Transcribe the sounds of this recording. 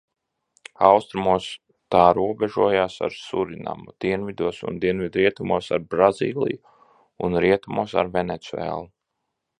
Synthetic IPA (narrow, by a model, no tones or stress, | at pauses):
awst̪ɾumuɔs | t̪aːɾuɔbɛʒuɔjaːsa̰ɾsuɾina̰mud̪̥iɛnvid̪uɔsṵnd̪iɛnvʲid̪ɾiɛt̪umuɔsaɾbɾazḭːlˠḭju | unɾiɛt̪umuɔsa̰ɾvenet̪suɛ̰ːlˠu